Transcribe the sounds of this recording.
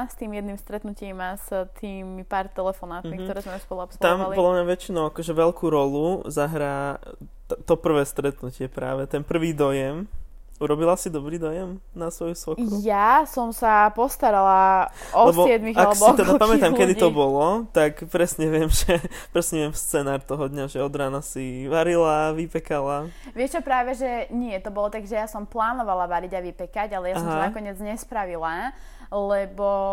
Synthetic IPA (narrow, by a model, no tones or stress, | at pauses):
st̪iːmjɛd̪niːmst̪ɾɛt̪nucimast̪ʰiːmipaːɾt̪ɛlɛfɔnaːt̪mikt̪ɔɾɛzmɛuspɔlˠuɔpslt̪ampaliɔd̪lamɲaʋɛt͡ʃinɔʊakɔʒɛʋɛlkuːɾɔluzaɦɾaː | t̪t̪ɔpr̩ʋɛːst̪ɾɛt̪nucɪɛpɾa̰ːʋɛt̪ɛnpr̩ʋiːd̪ɔjɛm | uɾɔbilasid̪ɔbɾiːd̪ɔjɛmnasʋɔjusʋɔkujasɔmsapɔst̪aɾalaɔlɛbɔɛd̪miɣaalɛbɔɔkt̪ɛd̪apamɛt̪amkɛd̪iɔbɔlɔt̪akpɾɛsɲɛʋɪɛmʒɛpɾɛsɲɛʋɪɛmst͡sɛnaːɾt̪ɔɦɔd̪ɲaʒɛɔd̪ɾaːnasiʋaɾilaʋipɛkala | ʋɪɛʃt͡ʃɔpɾaːʋɛʒɛɲɪɛt̪ɔbɔlɔt̪aɡʒɛjasɔmplaːnɔʋalaʋaɾiɟaʋipɛkaɟalɛjasɔɦmanakɔɲɪɛd͡zɲɛspɾaʋila | lɛbɔ